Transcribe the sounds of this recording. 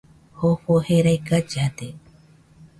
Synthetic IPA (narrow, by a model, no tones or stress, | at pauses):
hoɸoheɾajkad͡ʒat̪e